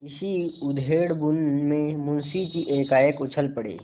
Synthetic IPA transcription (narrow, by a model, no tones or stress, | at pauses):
ɪsiʊd̪ʱɦeːɽbʊnmẽmʊnsikiʔeːkaːjəkʊt͡ʃʰəlpəɽḛː